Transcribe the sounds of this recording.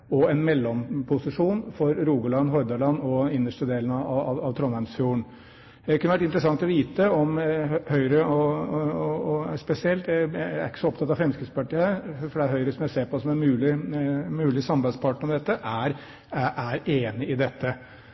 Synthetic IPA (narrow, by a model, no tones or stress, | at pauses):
ɔɛnmɛlːɔmpʰʊsɪʂuːnfɔɾɾuːɡəlɑnːɦɔɾd̪ɑlɑnːɔɪnːəʂʈəd̪eːlənɑɑɑʋɑʋt̪ʰɾɔnæmsfjuːɳ | ɛkʰʉnəʋæʈɪnt̪əɾəsɑŋt̪ɔʋiːt̪əɔmhœʏɾəɔ | spɛsɪɛlt̪jæææɾɪkəsɔɔp̚t̪ʰɑt̪ːɑʋfɾɛmskɪd̪spʰɑʈiːæɾfɔɖɛæɦœʏɾəsɔmjæseːɾpɔsɔmæɾmʉːlɪmʉːlɪsɑmbæɪspʰɑʈəɳɔmd̪ɛt̪ːəʔæɾ | ʔæɾeːnɪɪd̪ɛt̪ːə